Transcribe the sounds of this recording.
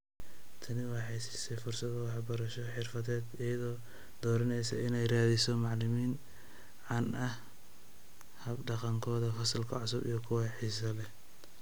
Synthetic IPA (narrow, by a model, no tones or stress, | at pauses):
t̪ʰɐnɪwɑːħijsɪ̥sɛjfʊrsɐðɐwɑħbɐɾɐʃɔħɪrfɐðɛːd̪ɪjɐðɔː | d̪̥ɔːɾɐnɛjsɐʔɪnɛjraːðɪsɔmɑʕlɪmiːn | ʕɑnʔɐh | hɐbɖɑqɑŋkʰɔːðɐfɐsɐlkʰɐʕʊsʊbḭjɐkʰʊwɑħiːsɐlɛ